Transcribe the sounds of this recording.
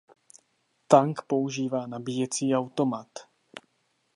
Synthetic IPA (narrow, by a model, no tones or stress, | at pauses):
t̪aŋkpo̞uʒiːvaːnabiːjɛt͡siːawt̪o̞mat̪